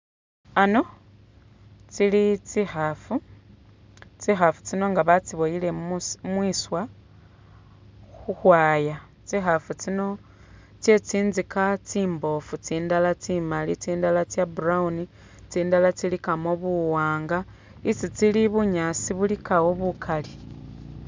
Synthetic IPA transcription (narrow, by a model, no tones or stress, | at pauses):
ano̞ | t͡silit͡sixafu | t͡sixafu̥t͡sino̞ŋɡaβat͡siβo̞jile̞mwiswa | xuxwaːja | t͡sixafut͡sino̞ | t͡sje̞t͡siːnzikat͡siːmbo̞fut͡siːndalat͡simalit͡siːndalat͡sjaburauni | t͡siːndalat͡silikamoβuwaːŋɡa | it͡sit͡siliβuɲasiβulikawoβukʰali